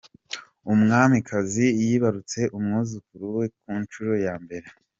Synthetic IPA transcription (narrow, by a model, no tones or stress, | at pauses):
umŋaːmikʰazijiːβaɾut͡se̞ʔumŋuzukuɾuwe̞k̚unt͡ʃuɾo̞jaːmbe̞ɾe